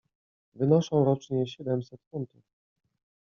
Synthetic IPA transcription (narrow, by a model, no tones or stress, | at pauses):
vɘnɔʂɔ̃w̃ɾɔt͡ʂɲɛɕɛd̪ɛmsɛt̪funt̪uf